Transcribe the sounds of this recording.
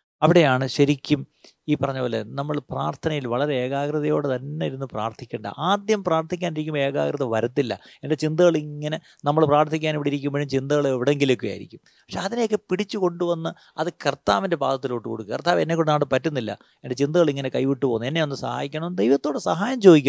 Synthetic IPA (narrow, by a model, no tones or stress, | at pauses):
ɐʋiɽe̞jaːɳɨɕɐɾikʲːum | iːpɐrɐɲːɐpoːlːenɐmːɐɭpraːrt̪ʰɐnɐjilʋɐɭɐɾeeːɣaːɡrɨðɐjo̞ːɽet̪ɐnːeiɾunːupraːrt̪ʰikʲːeːɳɖɐʔaːd̪jɐmpraːrt̪ʰikʲːaːniɾik̬ʲːume̞ːɣaːkrɨðɐʋɐɾɐt̪ːilːɐ̰e̞nde̞t͡ɕind̪ɐɣɐɭiŋːɐne̞ | nɐmːɐɭpraːrt̪ʰːikʲːaːniʋiɽiɾik̬ʲːumbɐɻumt͡ɕind̪ɐɣɐɭeʋiɽe̞ŋɡilokːuja̰ːiɾikʲːum | pɐʂeɐðinejokːepiɽit͡ɕːuko̞ɳɖuʋɐnːɨ | ɐðɨkɐrt̪aːʋinde̞baːd̪ɐt̪ːiloːʈːɨko̞̰ɽukːɨkɐrt̪aːʋenːekːoɽnaːʈɨpɐtːunːilːɐ̰ | e̞nde̞t͡ɕind̪ɐɣɐɭiŋːɐnekɐjʋiʈːɨpo̞ːnːenːeo̞nːɨsɐha̰ːjikʲːɐɳɐmd̪ejʋɐt̪ːo̞ːɽɨsɐɦaːjɐmt͡ɕo̞ːðikʲː